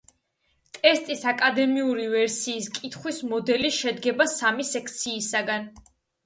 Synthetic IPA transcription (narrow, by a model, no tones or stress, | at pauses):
t̪ʼɛst̪ʼisakʼad̪ɛmiuɾivɛɾsiːskʼit̪ʰχwismɔd̪ɛliʃɛd̪ɡɛbasamisɛkʰt̪sʰiːsaɡan